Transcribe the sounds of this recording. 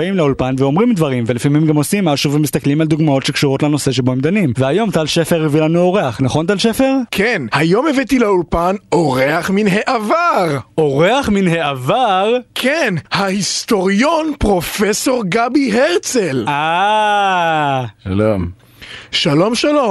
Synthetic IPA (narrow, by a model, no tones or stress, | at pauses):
aimleulpanveo̞mʁimd̪vaʁimvelifamimɡamo̞simːaʃuvemist̪aklimald̪uɡmao̞tʃekʃuʁo̞tlano̞se̞ʃ̬eboemd̪animveajo̞mt̪alʃefeʁivilanuo̞ʁe̞aχnaχo̞nt̪̬alʃefe̞ʁkʰenhajo̞mevet̪ilaulpanoʁeaχminɦeʔavaʁo̞ʁeaχminhe̞avaʁkʰenhahist̪o̞ʁjo̞npʁo̞feso̞ʁɡabiɦeʁt͡sela | ʃa̰lom | ʃalo̞mʃalo